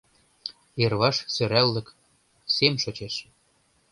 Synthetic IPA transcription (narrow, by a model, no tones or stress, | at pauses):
erβɑʃsø̆ɾælːə̆k | semʃot͡ɕeʃ